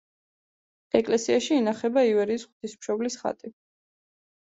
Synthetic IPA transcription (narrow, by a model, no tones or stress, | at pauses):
ɛkʼlɛsiaʃiːnaχɛbaivɛɾiːsχw̥t̪ʰismʃɔblisχa̰t̪ʼi